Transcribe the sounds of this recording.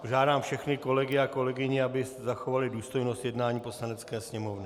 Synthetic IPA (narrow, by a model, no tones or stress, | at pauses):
poʒaːdaːmfʃɛxnɪko̞lɛɡɪako̞lɛɡɪɲɪabɪsɛzaxo̞valɪduːst̪o̞jnost̪jɛdnaːɲiːpo̞slanɛt͡skɛːsɲɛmo̞vnɪ